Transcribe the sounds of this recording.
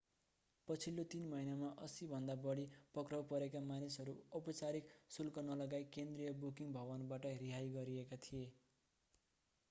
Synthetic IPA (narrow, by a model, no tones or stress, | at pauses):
pʌt͡sʰilːot̪inmʌinamaʔʌsibʱʌnd̪abʌɽipʌkrawpʌɾekamanisɦʌɾuʌpʌt͡saɾiksulkʌnʌlʌɡajkend̪rijʌbukiŋbʱʌβʌnbaʈʌɾiɦajɡʌɾiekat̪ʰije